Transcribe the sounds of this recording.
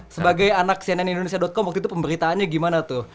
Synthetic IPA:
səbaɡajanaksianɛnindonesiadɔt̪̚kɔmwakt̪it̪upəmbəɾit̪aːnɲaɡimanat̪ʊh

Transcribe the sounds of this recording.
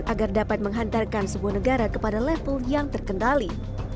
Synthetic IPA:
t̪aɡardapat̪̚məŋɦant̪arkansəbuahnəɡaɾakəpadalɛfəljaŋt̪ərkəndali

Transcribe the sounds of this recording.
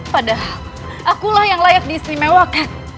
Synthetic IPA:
padaɦal | ʔakulahjaŋlajak̚diːsnimawakat̪̚

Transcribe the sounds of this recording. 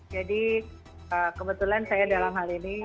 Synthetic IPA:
d͡ʒadi | əkəbət̪ulansajadalamɦalini

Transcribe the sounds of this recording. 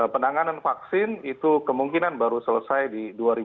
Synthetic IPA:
pənaŋananfaksɪnit̪ukəmuŋkinanbaɾusələsajdiduaɾi

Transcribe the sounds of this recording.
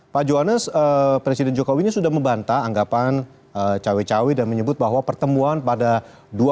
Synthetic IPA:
pad͡ʒoɦanəsəpɾesidɛnd͡ʒokowinisudahməmbant̪aːŋɡapan | ət͡ʃawit͡ʃawidanməɲəbʊt̪̚baɦwapərt̪əmuanpada | dua

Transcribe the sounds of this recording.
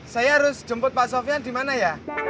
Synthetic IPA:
sajaɾʊsd͡ʒəmpʊt̪̚pasofiand̪imanaja

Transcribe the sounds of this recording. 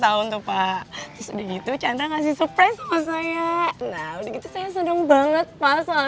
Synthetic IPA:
t̪aʊnt̪upat̪ɾʊsdiɡit̪ut͡ʃandaŋas̬ɪhsupɾasamasajanaudəɡit̪usajas̬ədəŋbaŋət̪̚pasoa

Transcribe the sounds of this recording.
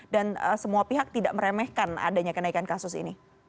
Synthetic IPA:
danəsəmuapiɦak̚t̪idaʔməɾemɛhkana̰daɲakənaikankasʊsḭni

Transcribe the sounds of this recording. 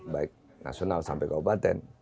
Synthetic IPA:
bajk̚ | na̰sjonalsa̰mpekawpat̪en

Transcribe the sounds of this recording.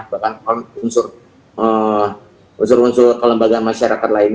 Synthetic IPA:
bakanknunsʊr | ə | unsʊrunsʊrkələmbaɡanmaʃaɾakat̪lain

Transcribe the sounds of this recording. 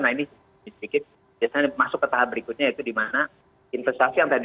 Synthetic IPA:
naini | sdikɪt̪̚ | biasaɲamasʊkːət̪aɦap̚bəɾikʊt̪̚ɲait̪udimana | infɛst̪asijaŋt̪ad

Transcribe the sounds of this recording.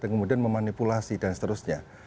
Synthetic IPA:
ankəmudianməmanipulasidansə̥t̪əɾʊsɲa

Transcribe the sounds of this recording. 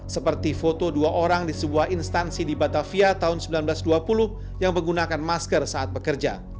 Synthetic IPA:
səpərt̪ifot̪oduaʔoɾaŋdisəbuahinst̪ansidibat̪afiat̪aɦʊnsəmbilanblasduapulʊh | jaŋməŋɡunakanmaskərsaat̪̚bəkərd͡ʒa

